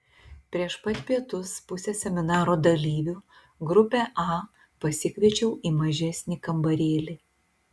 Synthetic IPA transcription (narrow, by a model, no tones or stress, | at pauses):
pʲɾʲiɛʃpɐt̪ʲpʲiɛt̪ʊspʊsʲɛsʲɛmʲɪnɑːɾoːd̪ɐlʲiːʋʲu | ɡɾʊpʲeʔɑ | pɐsʲɪkʲʋʲiɛt͡ʃʲɛʊʔiːmɐʒʲɛsʲnʲɪkɐmbɐɾʲeːlʲɪ